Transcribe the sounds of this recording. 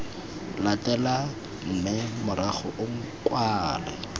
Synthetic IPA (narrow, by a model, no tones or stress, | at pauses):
latʼɛla | m̩mɛmʊɾaχʊʔʊŋ̩kwaːlɛ̰